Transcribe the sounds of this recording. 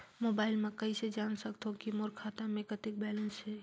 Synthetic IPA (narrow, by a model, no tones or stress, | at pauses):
moːbaːɪlmẽkəised͡ʒaːnsəkt̪okimoɾkʰat̪amẽkət̪ɪk̚bɛlənsɦɛ